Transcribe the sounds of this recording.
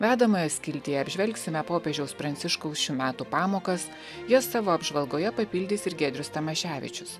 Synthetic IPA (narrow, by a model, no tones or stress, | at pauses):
ʋʲæːd̪ɐmoːjɛsʲkʲɪlʲt̪ʲiːɛɐbʲʒʲʋʲɛlʲksʲɪmʲɛpoːpʲeʒʲɛʊspɾɐnt̪sʲɪʃkɔʊsʃʲuːmʲæːt̪uːpɑːmoːkɐs | josːɑːʋoːɐbʒʋɐlˠɡoːjɛpɐpʲiːlʲd̪ʲiːsɪɾɡʲɛd̪ʲɾʲʊst̪ɐmɐʃʲæːʋʲɪ̰t͡ʃʲʊs